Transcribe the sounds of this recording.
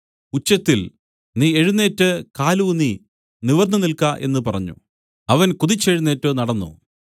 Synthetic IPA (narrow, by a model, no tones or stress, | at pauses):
ut͡ɕːɐt̪ːil | niːe̞ɻunːe̞ːtːɨkaːluniː | niʋɐrnɐnilkaːʔe̞̰nːɨpɐrɐɲːṵ | ɐʋɐnkuðit͡ɕːeɻunːe̞ːtːoːnɐɽɐnːo̰ː